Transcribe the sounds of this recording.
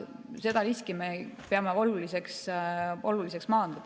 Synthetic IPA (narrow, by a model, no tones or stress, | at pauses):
se̞d̪̥ɑliskimepeɑmeolulise̞ksʔolulis̬eksmɑːnd̪̥ɑ